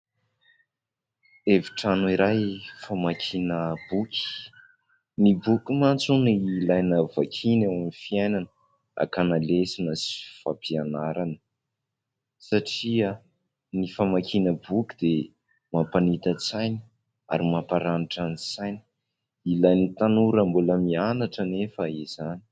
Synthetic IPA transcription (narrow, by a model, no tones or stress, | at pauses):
eviʈ͡ʂanuiɾajfamakʲʰinəb̥ukʲʰi̥ | mibukʲumant͡sunilajnavakʰinewamifiajnanə | a̰kanalesinəsi̥fapʰianaɾanə | saʈ͡ʂia | nifamakʰinəbukʲi̥d̪e | mapanit̪ət͡sajni̥ | a̰ɾimapaɾaniʈ͡ʂanit͡sajni̥ | ilajnit̪anuɾəmbuləmianaʈ͡ʂənefəiz̥ani̥